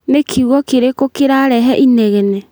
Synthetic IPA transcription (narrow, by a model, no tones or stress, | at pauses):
nekʰiɣwɔkeɾekokeɾaɾɛɦɛʔinɛɣɛnɛ